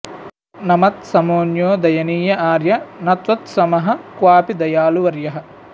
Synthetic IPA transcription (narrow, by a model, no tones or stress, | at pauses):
nɐmɐt̪̚sɐmoːnjoːd̪ɐjɐniːjɐʔaːɾjɐnɐt̪ʋɐt̪sɐmɐɦɐ̆kʋaːpid̪ɐjaːluʋɐɾjɐɦɐ̆